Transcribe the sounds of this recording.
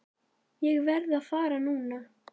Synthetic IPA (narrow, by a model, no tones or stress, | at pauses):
jɛɣvɛɾðaðfaːɾanuːna